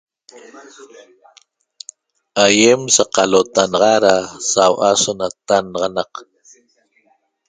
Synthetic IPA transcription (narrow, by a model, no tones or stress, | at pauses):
ajemsaqɑlot̪anɑʁɑɾasawʔasonat̪anɑʁɑnɑq